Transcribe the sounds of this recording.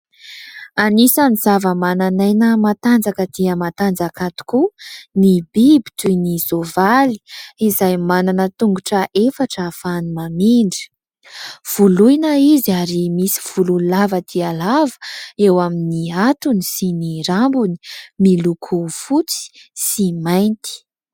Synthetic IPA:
anisaniz̥avəmananajnəmat̪and͡zakəd̪̥iəmat̪and͡zakat̪u̥kunibibi̥t̪ujnizovali̥izajmananət̪uŋɡuʈ͡ʂəʔefaʈ͡ʂəfanimamiɳɖ͡ʐi̥ | v̥ulujnəiziaɾimisi̥v̥ululavəd̪̥ialavə̥ewaminiat̪unisiniɾambuni̥milukʰufut͡si̥simajnt̪i̥

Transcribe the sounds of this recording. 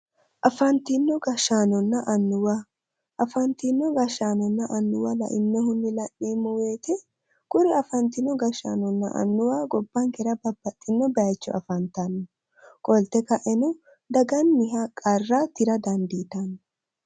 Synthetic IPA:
ʔɐfɐnt̪ɪnːɔɡɐʃaːnɔnːɐʔɐnːʊwa | ʔɐfɐnt̪ɪnːɔɡɐʃaːnɔnːɐʔɐnːʊwɐlɐ̰ʔɪnːɛhʊnd̪ɪlɐʔːiːmːɔweːt̪ɛ | kʊɾɪɐfɐnt̪ɪnːɔɡɐʃa̰ːnɔnːɐ̰ʔɐ̰nːʊwaːɡɔbːɐŋkɛɾɐbɐbːɐt̪ʼːɪnːɔbɛɐjt͡ʃːɔ̰ɐ̰fɐnt̪ɐnːɔ | kʼɔlt̪ɛkɐʔɛnɔ | d̪ɐɡɐnːɪɦakʼɐrːat̪ɪɾɐd̪ɐnd̪iːt̪ɐnː

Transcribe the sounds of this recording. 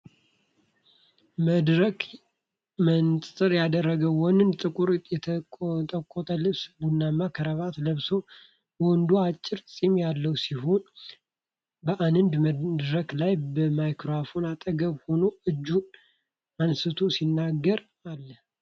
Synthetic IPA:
məd̪ɾək | mənsʼɨɾjad̪ərːəɡəwwɔnɨnd̪t̪ʼɨkʼuɾjɛt̪ʼəkʼot̪ʰʼəlɨβsbunːamːakʰəɾəβat̪ləβsow | wɔnd̪uat͡ʃʼːɪɾsʼimjalːəwsiɦo̞n | bəʔanɨnd̪məd̪ɾəklajbəmajkɾoafonat̪ʼəɡəβho̞noɨd͡ʒːu | ansɨt̪ʰosinːaɡːəɾ | alːə

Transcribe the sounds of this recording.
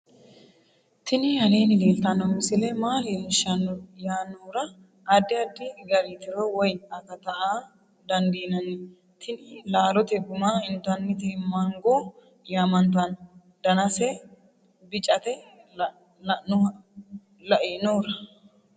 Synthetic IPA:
t̪ʰɪnɪhɐneːnɪleːlt̪ɐnɔmɪsɪlɛmaːlenʃɐnjaːnoːɾɐː | d̪ːɪɐd̪ːɪɡɐɾit̪ɪɾɔwɔjɐkɐt̪ɐʔaː | d̪ɐnd̪iːnɐnɛ | t̪ʰɪnɪlaːlɔt̪ɛɡʊmaːɪnt̪ɐnːɪt̪ɪmɐŋɡo | jaːmɐnt̪ɐn | d̪̥ɐnɐsɛ | bɪt͡ʃʼɐt̪ɛ | nʊ | lɐʔeːnoːɾɐ

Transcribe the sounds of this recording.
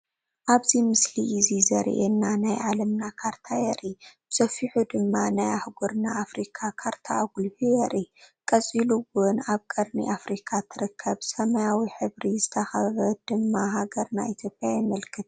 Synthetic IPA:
ʔaβzimɨsliʔizizɐɾ̰ʔenːanajʕalɐmnakʰaɾt̪ʰajɛɾʔib̥ɨsɐfiħud̪ɨmːanajaħɡoɾnaʔːfɾikʰakʰaɾt̪ʰaɡulhujɛɾʔikʼɐt͡sʼiluɡʊnaβkʼɐɾnḭʔafɾikʰat̪ʰɨɾɨkʰːɐβsɐmɐjawiħɨβɾizɨt̪ʰɐxɐβɐd̪ɨmːaɦaɡɐɾna̰ʔit̪ʰjo̞pʼjajɛmɐlkʰɨt̪̚

